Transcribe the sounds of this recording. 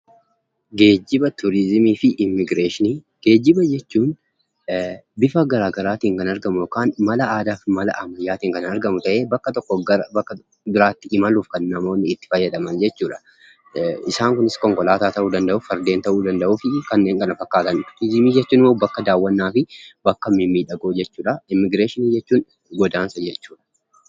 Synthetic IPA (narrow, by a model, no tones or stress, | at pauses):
ɡe̞ːd͡ʒːɪbɐt̪ʊɾɪzmiːfɪʔɪmːɪɡɾeːʃɪniː | ɡ̥e̞ːd͡ʒːɪbɐd͡ʒɛt͡ʃːuːn | bɪfɐɡɐɾaːɡɐɾaːt̪iːŋkɐnɐɾɡɐmʊjɔkaːnmɐlɐaːd̪aːfmɐlɐ̰ʔɐmɐjːaːt̪iːŋkɐnɐɾɡɐmʊt̪ɐʔe̞ːbɐkːɐt̪ɔkːɔɐbɐkːɐ | bɪɾaːt̪ːɪɪmɐluːfkɐnːɐmo̞ːnːɪːt̪ːɪ̥fɐjːɐd̪ɐmɐnd͡ʒɛt͡ʃːuːᶑɐ̥ | ɪsaːŋkʊnɪskɔŋkɔlaːt̪aːt̪ɐʔuːd̪ɐnd̪ɐʔʊːfɐɾd̪eːnt̪ɐʔuːd̪ɐnd̪ɐʔuːfɪkɐnːe̞ːŋkɐnɐfɐkːaːt̪ɐnt̪id͡ʒimiːd͡ʒɛt͡ʃːuːnɪmːobɐkːɐd̪aːwːɐnːaːfɪbɐkːɐmɪmːiːᶑɐɡoːd͡ʒɛt͡ʃːuːᶑɐɪmɪɡɾeːʃɪniːd͡ʒɛt͡ʃːuːn | ɡɔd̪aːnsɐd͡ʒɛt͡ʃːuːᶑɐ̥